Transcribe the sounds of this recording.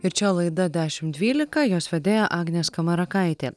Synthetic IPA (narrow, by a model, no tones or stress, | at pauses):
ɪɾt͡ʃʲɛlˠɐɪd̪ɐd̪ʲæːʃʲɪmd̪ʲʋʲiːlʲɪkɐjoːsʋʲɛd̪ʲeːjɛʔɑːɡnʲeːskɐmɐɾɐkɐˑɪt̪ʲeː